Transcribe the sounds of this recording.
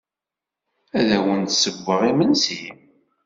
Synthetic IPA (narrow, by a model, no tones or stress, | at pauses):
æðæwənt̪səvːəʁimənsim